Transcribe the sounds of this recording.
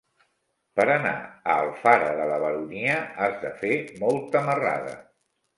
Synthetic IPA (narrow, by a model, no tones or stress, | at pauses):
pəɾəna̰əlˠfaɾəðələβəɾuniəazðəfemɔlˠt̪əməra̰ðə̰